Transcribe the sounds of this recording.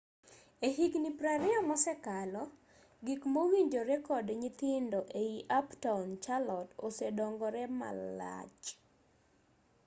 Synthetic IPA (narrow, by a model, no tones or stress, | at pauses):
eɦiɡnipɾaɾɪamɔsɛkalɔ | ɡikmowiɲd͡ʒoɾɛkɔdɲit̪ɪndɔʔeiʔaptant͡ʃalɔto̰sɛdɔŋɡɔɾɛma̰la̰t͡ʃ